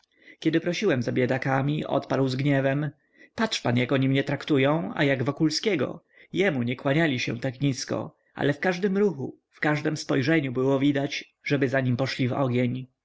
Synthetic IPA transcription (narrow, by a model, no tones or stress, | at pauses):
kʲɛd̪ɘpɾɔɕiwɛmzabʲjed̪akamʲiʔɔ̰t̪paɾwzɡɲɛvɛm | patʂpanjakɔɲimɲɛt̪ɾakt̪ujɔ̃w̃a̰jaɡvɔkulskʲɛɡɔ̰ | jɛmuɲɛkwaɲalʲiɕɛ̰̃t̪akɲiskɔ̰ | ʔa̰lɛfkaʐd̪ɘmɾuxṵ | fkaʐd̪ɛmspɔjʐɛɲubɘwɔvʲid̪at͡ɕ | ʐɛbɘzaɲimpɔʂlʲivɔ̰ɡʲeɲ